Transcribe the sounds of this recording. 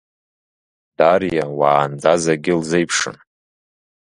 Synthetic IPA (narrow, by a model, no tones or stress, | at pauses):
d̥arjawaːnd͡zazaɡʲɪlzejpʰʂɨ̰n